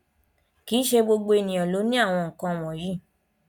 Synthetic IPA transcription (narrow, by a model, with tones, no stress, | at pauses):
ki˨˦ʃe˧ɡ͡bo˧ɡ͡bo˧e˧nĩ˨ɔ̃˨lo˨˦nĩ˦a˦˨w̃ɔ̃˧ŋ̩˨kã˧w̃ɔ̃˨jĩ˦˨